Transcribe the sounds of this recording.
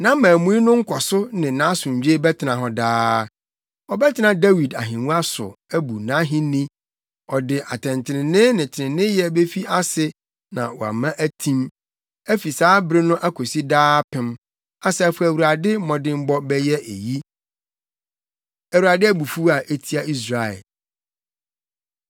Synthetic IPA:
nã˦mãː˨mũ˦i˦nʊ̃˦ŋ̩˦kʰɔ˨sʊ˦nɪ̃˨nã˨˦sʊ̃˨ɲ˨d͡ʑᶣe˦bɛ˦tʰɪ˨nã˨ɦɔ˨daː˦ | ɔ˨bɛ˦tʰɪ˦nã˨dæ˦wi˨da̰˨ɦɪ̃˨nũ˦a˦sʊ̰˨æ˦bu˨nã˨˦ɦɪ̃˦nĩ˦ | ɔ˨dɪ˨ʔa˨tʰɛ̃˨ntʰɪ˨nɪ̃˨nɪ̃˦nɪ̃˨tʰɪ˨nɪ̃˨nɪ̃˦jɛ˦be˦fi˦a˦sɪ˦ | nã̰˨wɔ˨a̰˨mã˦ʔæ˦tʰĩ˦m | æ˦fi˨saː˦bɾɪ˦nʊ̃˦ʔa˦kʰo˨si˦daː˦pʰɪ̃˨m | a˨sɛ˦˨fʊ˦æ˨wu˨ɾa˨dɪ˦mɔ̃˨dɪ̃˦m̩˦bɔ˦bɛ˦jɛ˦ʔe˨ji˦ | æ˨wu˨ɾa˨dɪ˦æ˦bu˨fu˦a˨ʔe˦tʰi˦a˨i˦s̬ɾa˨ɛ̰˨l

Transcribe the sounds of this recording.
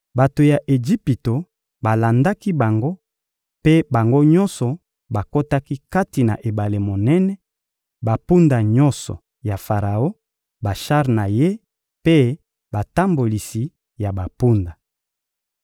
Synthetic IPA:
ba˨to˨ja˨ʔe˨d͡ʒi˦pi˨to˨ | ba˨la˨nda˦ki˦ba˨ŋɡo˦ | pe˦ba˨ŋɡo˦ɲɔ˦nsɔ˨ | ba˨ko˦ta˦ki˦ka˦ti˨na̰˨ʔe˨ba˨le˨mo˨nɛ˦nɛ˦ | ba˨pu˦nda˨ɲɔ̃˦nsɔ̰˨ | ja˨fa˨ʁa˨o˦ | ba˨ʃa˦ʁna˨je˦ | pe˦ | ba˨ta˦mbo˨li˨si˨ | ja˨ba˨pu˦nda˨

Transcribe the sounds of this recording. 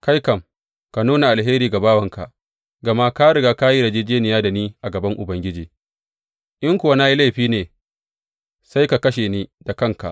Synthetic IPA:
ka˦jkɐ˨m | ka˨nuː˦na˨ʔa˨lɦeː˦ɾiː˨ɡa˨baː˦wɐ˨ŋka̰˨ʔ | ɡɐ˨ma˦ka˦ɽɪ˨ɡaː˦ka˦ji˦ɽɐ˨d͡ʒiː˦d͡ʒeː˦nɪ˨jaː˦da˨niː˦ʔa˨ɡɐ˨bɐ˦ŋʔʊ˨bɐ˦ŋɡʲɪ˦d͡ʒiː˨ | ʔɪ˦ŋkʷʊ˨wa˦naː˦ji˦la˦jɸiː˦neː˨ | sa˦jka˨kɐ˦ʃeː˨ni˦da˨kɐ˦ŋka̰˨ʔ

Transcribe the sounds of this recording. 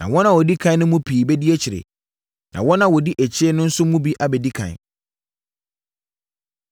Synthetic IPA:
nã̰˨wɔ̃˦nã˨wɔ˨di˦kʰã˦nʊ̃˦mũ˦pʰiː˨bɛ˦di˦e˦t͡ɕʰɪ˨ɾḛ˨ | nʔã̰˨wɔ̃˦nã˦wɔ˨di˦ʔæ˨t͡ɕʰɪ˦ɛ˦nʊ̃˦n̩˦sʊ˦mũ˦bi˦ʔa˦bɛ˨di˦kʰã̰˨n˨

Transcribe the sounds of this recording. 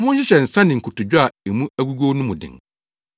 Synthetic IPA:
mʊ̃˦n̩˦ɕ̬ɪ˦ɕɛ˨n̩˨sã˦nɪ̃˨ŋ̩˨kʰʊ˨tʊ˨d͡ʑᶣʊ˦a˨e˨mũ˦æ˦ɡu˦ɡo˦nʊ̃˦mʊ̃˨dɪ̰̃˨ŋ

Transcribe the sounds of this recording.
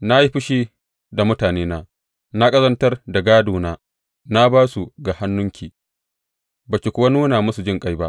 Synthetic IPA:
na˦ji˦ɸɪ˦ʃiː˦ | da˨mʊ˦taː˨neː˦naː˦ | na˦kʼɐ˦zɐ˦ntɐ˦rda˨ɡaː˦duː˨naː˦ | na˦baː˦su˨ɡa˨ha˦nːʊ˦ŋkʲiː˨ | ba˨kʲe˨kʷʊ˦wa˦nuː˦naː˨mʊ˦su˨d͡ʒɪ˦ŋkʼa˦jba˦ʔ

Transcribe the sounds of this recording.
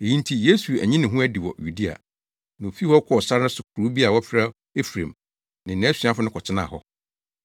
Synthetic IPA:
e˨jĩ˦n˦tʰi˨je˦su˨æ̰˨ɲĩ˦nɪ̃˨ɦũ˦æ˦di˨wɔ˨ju˨di˦a̰˨ | nã˨o˨fi˦hɔ˦kʰɔ˦ɔ˨sa˦ɾnʊ̃˦sʊ˨kʰʊ˨ɾuː˨˦bi˦a˨wɔ˦fɪ˦ɾa˦ | e˦fɾẽ˨m | nɪ̃˨n˨nɛ̃˨˦si˨a˦fʊ˦nʊ̃˦kʰɔ˨t͡ɕʰɪ˦nã̰˨ɦɔ˦

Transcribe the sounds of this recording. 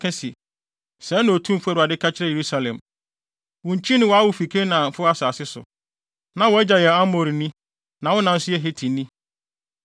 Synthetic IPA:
kʰɛ̃˦sɪ˨ | sɛ˨˦nʊ̃˨o˨tʰũ˦m˦fʊ˦ɛ˦ɾʊ˨a˨dɪ˦kʰa˦t͡ɕʰɪ˦ɾɛ˦je˨ɾu˦sa˨lɛ̰̃˨m | wʊ̃˨ɲ˨t͡ɕʰi˦nɪ̃˦wɔ˨a˦wʊ˨fi˨kʰe˦nã˨m̩˨fʊ˦a˦saː˨sɪ˦sʊ̰˨ | nã˨wɔ˨ɛ˦d͡ʑa˨jɛ˨a˦mo˨ɾi˨nĩ˦ | nã˨wʊ̃˦nã˨n̩˦sʊ˦ɛ˦ɦe˦tʰĩ˨nĩ˦

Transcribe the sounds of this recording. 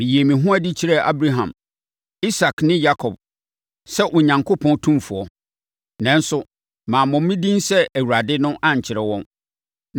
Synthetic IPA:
mĩ˨ji˨e˨mĩ˨ɦʊ̃˦a˦dɪ˦t͡ɕʰɪ˦ɾɛ˦˨ʔa̰˦bɾa˦ɦã˨m | i˦sa˨knɪ̃˦ja˦kʰɔ˨b̥̚ | sɛ˦ʔʊ˨ɲã˨ŋkʰo˦pʰɔ̃˦ntʰũ˦mfʊ˨ɔ˦ | nã˨n˦sʊ˦ | mãː˨mʊ̃˨˦mĩ˦dĩ˦nsɛ˦ʔæ˨wu˨ɾa˨dɪ˦nʊ̃˦ʔã˦ɲ̩˨t͡ɕʰɪ˨ɾɛ˨wɔ̃˦n

